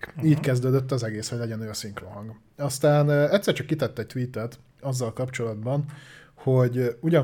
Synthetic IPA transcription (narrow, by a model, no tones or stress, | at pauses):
iːckɛzd̪øːd̪øt̪ːɒzɛɡeːshoɟlɛɟɛnøːɒsiŋkroːɦɒŋɡ | ɒst̪aːnɛct̪sːɛrt͡ʃɒkːit̪ɛt̪ːɛc̚t̪ʋiːt̪ɛt̪ | ɒzːɒlkɒpt͡ʃo̞lɒd̪bɒn | hoɟuɟɒ